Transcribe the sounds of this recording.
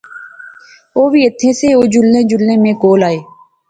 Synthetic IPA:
oːbʱiːɪt̪ʰːẽːseːoːd͡ʒʊlːẽːd͡ʒʊlːẽːmẽːkoːlaːeː

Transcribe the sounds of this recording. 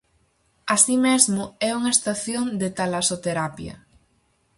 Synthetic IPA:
asimezmʊɛuŋɐest̪aθjond̪et̪alasot̪eɾapjɐ̰

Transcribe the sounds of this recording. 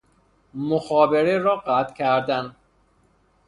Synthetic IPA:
moxɒːbeɾeɾɒːɢæt̪ʰcʲʰæɾd̪ænd̪

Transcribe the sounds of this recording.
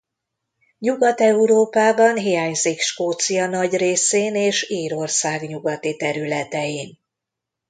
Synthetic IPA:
ɲuɡɒt̪ɛuɾoːpaːbɒnɦijaːɲzikʃkoːt̪sijɒnɒɟreːseːneːʃiːɾo̞rsaːɡɲuɡɒt̪it̪ɛɾylɛt̪ɛjiːn

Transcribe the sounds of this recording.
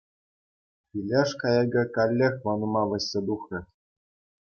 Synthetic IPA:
pʲilʲeʂkɑjɑɡɤ̆kɑlʲːexʲʋɑnŭmɑʋɤ̆ɕʲːĕd̪uxrʲɘ̆

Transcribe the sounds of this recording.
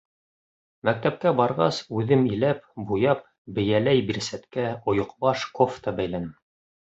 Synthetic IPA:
mæk̚t̪æp̚kæbɑɾʁɑ̰sʉðɘmilæpbujɑp̚ | bɘ̆jælæjbiɾsæt̪kæŏjŏqbɑʃkoft̪ɑbæjlænɘm

